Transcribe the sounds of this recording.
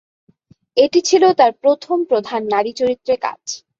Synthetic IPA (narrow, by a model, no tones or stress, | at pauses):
eʈit͡ɕʰilot̪aɾpɾot̪ʰompɾod̪ʱanːaɾit͡ɕoɾit̪ːɾeka̰d͡ʑ